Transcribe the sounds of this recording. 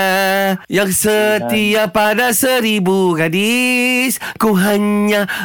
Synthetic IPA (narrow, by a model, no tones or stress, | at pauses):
jaŋsət̪iapadasəɾibuɡadiskuɦaɲɲa